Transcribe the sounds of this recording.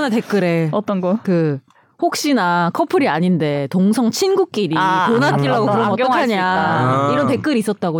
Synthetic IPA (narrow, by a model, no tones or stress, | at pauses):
nɯte̞k͈ɯɾe̞ʌt͈ʌnɡʌkɯ | hok̚ɕ͈inakʰʌpʰɯɾiaɲinde̞toŋsʰʌŋt͡ɕʰinɡuk̚k͈iɾikonat̚t͈iɭːaɡokɯɾʌmɡʌkʰaɲaiɾʌnte̞k͈ɯɾiːs͈ʌt̚t͈aɡo